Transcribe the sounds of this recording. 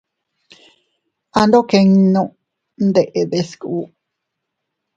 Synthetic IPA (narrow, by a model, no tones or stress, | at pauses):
and̪okeŋnõ | nd̪eʔeðesku